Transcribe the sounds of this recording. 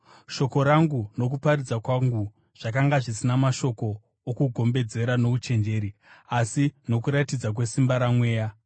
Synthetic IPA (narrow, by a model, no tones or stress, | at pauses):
ʃo̞ko̞ɾaŋɡuno̞k̬upaɾid͡zakwaŋɡu | ʐ̥akaŋɡaʐisinamaʃo̞ko̞ː | kuɡʱo̞mbe̞d͡ze̞ɾano̞ut͡ʃe̞nd͡ʒe̞ːɾiasino̞kuɾatid͡zak̬we̞simbaɾamwe̞ːja